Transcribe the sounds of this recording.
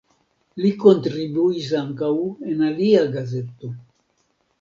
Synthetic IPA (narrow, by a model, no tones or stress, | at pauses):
liko̞ntɾibuis̬aŋkawe̞naliaɡaze̞to̞